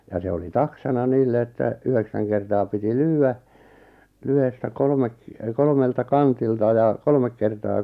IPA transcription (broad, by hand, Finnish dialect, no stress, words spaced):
jɑ se oli tɑksɑnɑ niːlːe etːæ yheksæŋ kertɑː piti lyːæ lyhestæ kolŏmek kolŏmeltɑ kɑntiltɑ jɑ kolmek kertɑː